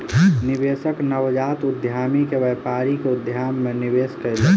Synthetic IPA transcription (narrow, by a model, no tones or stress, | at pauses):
nɪʋesəknəʋd͡ʒaːt̪ʊd̪ʱjaːmikeʋɛːpaːɾikeʊd̪ʱjaːmːeniʋeːskəele